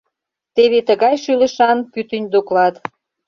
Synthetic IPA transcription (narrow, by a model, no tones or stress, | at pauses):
t̪eβet̪əɣɑjʃylə̆ʃɑnpyt̪ənʲd̪oklɑt̪